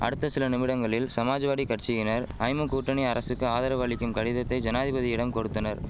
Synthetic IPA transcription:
ʔɐ̰ɽɯt̪ːɐsɪlɐnɪmɪɽɐŋɡɐɭɪlsɐmaːd͡ʒɐʋaːɽikɐʈt͡ʃɪjɪnɐɾɐɪmɯkuːʈrɐɳiɐɾɐsɯkːɯaːðɐɾɐʋaːɭɪkːɯmkɐɽɪðɐt̪ːɐɪd͡ʒɐnaːðɪbɐðiɪɽɐmkɔɽɯt̪ːɐnɐɾ

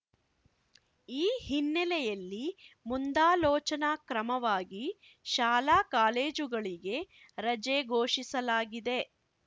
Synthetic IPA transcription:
iːhinːɛlɛjɐlːimund̪aːlɔːt͡ʃɐnakɾɐmɐʋaːɡi | ʃaːlaːkaːle̞ːd͡ʒuɡɐɭiɡe̞ | ɾɐd͡ʒeɡoːʂisɐlaːɡid̪e̞

